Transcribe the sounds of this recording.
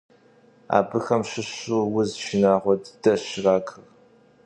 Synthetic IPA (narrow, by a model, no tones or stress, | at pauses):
a̰ːbɨxɐmɕɪɕuwʊzʃinaːʁʷɔdd̥ɐɕɪraːkʰɨr